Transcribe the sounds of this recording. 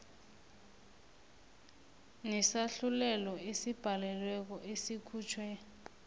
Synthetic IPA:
nɛsaɬulɛlɔesib̥ʱalɛlwɛk̬ɔʔesikʰuːt͡ʃʰwɛ

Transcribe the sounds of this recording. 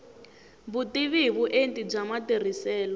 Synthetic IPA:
butiβiβuʔentʼib͡ʐamater̤isɛːlɔ

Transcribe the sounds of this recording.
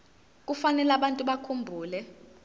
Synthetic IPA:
k̬ʼufanɛlaɓantʼuɓakʰumbʱuːlɛ

